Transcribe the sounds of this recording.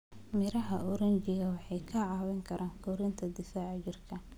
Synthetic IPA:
mɪɾɐɦɐʔɔɾɐnt͡ʃɪɣɐwɑħɑjkʰɐʕɑːwɛŋkʰɐɾʔaːŋkʰɔɾɪnt̪ʰɐd̪ɪfaːʕt͡ʃɪrkʰɐ

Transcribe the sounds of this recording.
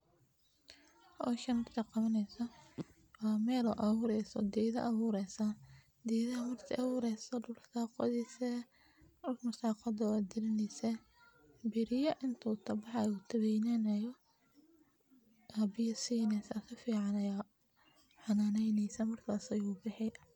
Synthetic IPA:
hɔʃɐnmɐrt̪ʰɐqɑβɐnɛjsɐ | wɑːmɛːlɔʔɐβuːɾɛjsɔd̪iːðɐ̰ʔɐβuːɾɛjsa | d̪iːðɐɐmɐrt̪ʰɪʔɐβuːɾɛjsɐd̪ʊlsaːqɔ̰ðisɛ | ʊlmɐsaːqɔðɐwɑːd̪ɪɾɪnɛjsɛ | bɪɾɪjɐʔɪnt̪ʰuːt̪ʰɐbɑħɑjut̪ʰɐβɛjnɛnɐjɔ | ʔɐbɪjɐsiːnɛsɐkʰɐfiːʕɑnɐja | ħɑnaːnɛjnɛjsɐmɐrkʰaːsɐjuːbɪħɪ

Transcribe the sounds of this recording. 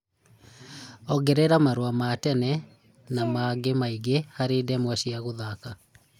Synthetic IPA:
ɔɡɛɾɛɾamaɾowamatɛnɛ | namaɡemaiɡehaɾeːdɛmwɛɕiaɣoðaka

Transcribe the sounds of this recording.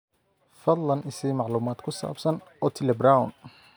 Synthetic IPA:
fɐd̪lɐnɪsimɑʕluːmaːd̪kʰʊsa̰ːbsɐn | ɔːt̪ʰɪlɛbɾawn

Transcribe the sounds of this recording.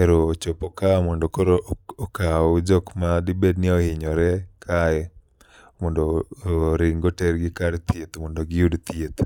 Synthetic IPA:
eɾoːt͡ʃopɔkamɔndɔkɔɾokaod͡ʒɔkmadɪbednɪɔhɪɲɔɾɛkʰajɛ | mɔndɔɾɪŋɡotɛɾɡɪkaɾt̪jet̪mɔndɔɡɪjudt̪iet̪

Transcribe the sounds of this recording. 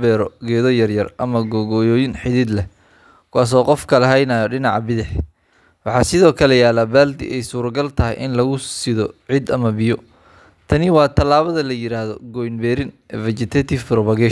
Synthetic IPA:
bɛːɾɔɡɛːðɔjɐrjɐrʔɐmɐɡɔɣɔːjɔːjɪnħɪðiːd̪lɛ | kʰʊwaːs̬ɔːqɔfkʰɐlɛɦɛjnɐjɔɖɪnɑʕɑbɪðɪħ | wɑħɑsɪðɔːkʰɐlɛjaːlɐbaːld̪ɪ̰ʔɛjsuːɾɡɐlt̪ʰɐɦɛ̰jʔɪnlɐɣʊsɪðɔʕɪd̪ɐmɐbɪjɔ | t̪ʰɐnɪwɑːt̪ʰɐlaːβɐðɐlɐjɪɾaːðɔɡɔːjnbɛːɾɪnɛvɛt͡ʃɪt̪ʰɛt̪ʰɪfɾbɐɣɛ

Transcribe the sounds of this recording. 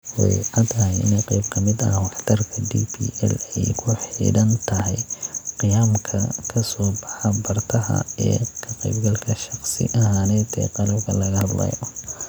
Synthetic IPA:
wɛjʕɑt̪ʰɐhɛjɪ̰nɛjqejbkʰɐmɪd̪ɐ̰wɑħt̪ʰɐrkʰɐdiːpʰḭːʔɛ̰lɛjkʰʊħḭːɽɐnt̪ʰɐɦɛjqɪjaːmkʰɐkʰɐsɔːbɑħɐbɐrt̪ʰɐɦɐ̰ɛ̰ːkʰɐqɛjbɡɐlkʰɐʃɑχsɪ̰ʔɐhaːnɛːd̪ʰɛ̰qɑlɐbkʰɐlɐɣɐhɐd̪lɐ̰jɔ

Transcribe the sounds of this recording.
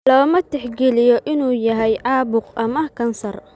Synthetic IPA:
lɔːmɐt̪ɛħɡɛlɪjɔʔɪnuːjɐɦɛjʕɑːbʊqʔɐmɐkʰɐnsɐr

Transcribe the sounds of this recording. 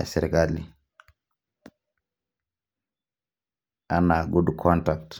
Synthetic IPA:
sɛɾikalḭ | ʔanaɡudkʰɔntak̚t

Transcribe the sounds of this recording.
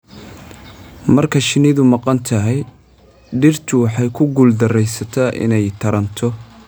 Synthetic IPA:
mɐrkʰɐʃɪnɪðʊmɑqɑnt̪ʰɐɦɛj | ɖɪrt̪ʰʊwɑħɑjkʰʊɡuːld̪ɐrɛjsɐt̪ʰaʔɪ̰nɛjt̪ʰɐɾɐnt̪ʰɔ

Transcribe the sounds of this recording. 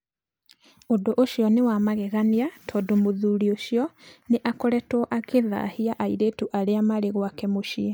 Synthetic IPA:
odoʔoʃjɔnewamaɣɛɣaniatʰɔdomoðuːɾioɕjɔneʔakɔɾɛtwɔʔakeða̰hiaʔaiɾetuʔaɾeamaɾeɣwakɛmoʃiɛ

